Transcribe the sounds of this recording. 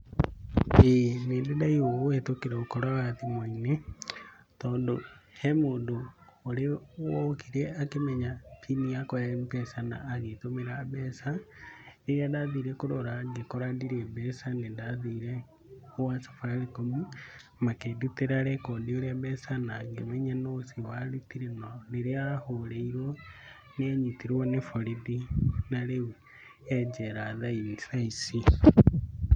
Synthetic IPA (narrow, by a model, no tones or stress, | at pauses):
eneːndendaiwoɣowetokeɾaokɔɾaɣatimwaine | tɔːndohɛmoːndoːɾewɔkiɾeakemɛɲatʰiniakɔampɛsana̰ːɣetomeɾabɛsa | eɾiadaðiːɾɛkoɾɔɾaɡekɔɾadiɾebɛsanendaðiːɾɛ | owasḁfaɾikomimakeduteɾaɾekondioɾeaβɛsanaɡemɛɲanosiwaɾutiɾenoleɾeahoɾeiɾwo | neɲitiɾwonefoɾidinaɾewi | ɛd͡ʒeɾaðainsaisi